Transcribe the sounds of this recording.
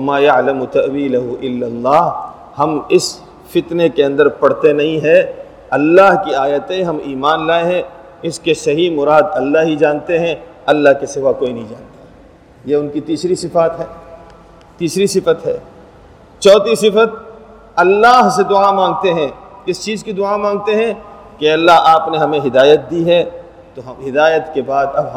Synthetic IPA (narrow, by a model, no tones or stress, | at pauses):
wɐmaːjɐʕlɐmʊt̪ɐʔwiːlɐɦʊʔɪlːɐlːaːɦ | hɐmɪs | fɪt̪nekeɐ̃nd̪əɾpɐɽt̪enɐɦĩɦɛ | ɐlːaːɦkiaːjət̪ẽɦɐmiːmaːnlaːeɦɛ̃ | ɪskesɐɦimʊɾaːd̪ɐlːaɦid͡ʒaːnt̪eɦɛ̃ɐlːaɦkesɪʋakoːinɐɦĩd͡ʒaːnt̪aɦɛ | jeʊnkit̪iːsɾisɪfaːt̪ɦɛː | t̪iːsɾisɪfət̪ɦɛː | t͡ʃɔːt̪isɪfət̪̚ | ɐlːaːɦsed̪ʊamãːŋɡ̚t̪eɦɛ̃kɪst͡ʃiːzkid̪ʊaːmãːŋɡ̚t̪eɦɛ̃ | keɐlːaɦʔaːpneɦɐmẽɦɪd̪aːjət̪̚d̪iɦɛ | t̪oɦɐmɦɪd̪aːjət̪kebaːd̪ɐbɦ